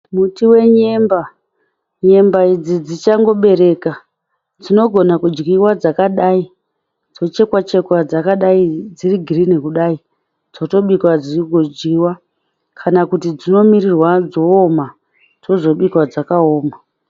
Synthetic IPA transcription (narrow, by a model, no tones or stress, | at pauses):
mutiwe̞ɲemba | ɲe̞mbaid͡zid͡zit͡ʃaŋɡo̞ɓe̞ɾe̞ka | d͡zino̞ɡʱo̞nakud͡ʒɡiwad͡zakaɗai | d͡zo̞t͡ʃe̞kwat͡ʃe̞kwad͡zakaɗaid͡ziriɡʱirinikuɗai | d͡zo̞to̞ɓikwad͡ziiɡʱod͡ʒɡiwa | kʰanakutid͡zino̞mirirwad͡zo̞ːma | d͡zo̞zo̞ɓikwad͡zakaoːma